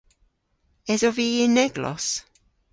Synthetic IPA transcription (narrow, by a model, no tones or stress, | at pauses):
ɛzɔviːɪnɛɡlɔ̰s